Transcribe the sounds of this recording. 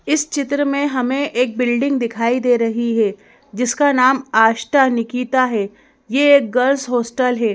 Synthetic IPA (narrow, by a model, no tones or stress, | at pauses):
ɪst͡ʃɪt̪ɾəmẽɦɐmẽʔeːk̚bɪlɖɪ̃ŋɡ̚d̪ɪkʰaːid̪eːɾɐɦiɦɛː | d͡ʒɪskanaːmaːʃʈanɪkiːt̪aɦɛː | jeeːk̚ɡɐɾsɦoːsʈəlɦɛː